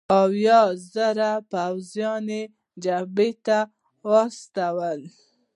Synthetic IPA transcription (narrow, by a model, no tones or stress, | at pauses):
awjɑzəɾapawzjɑne | d͡ʒabet̪a | wɑst̪awəl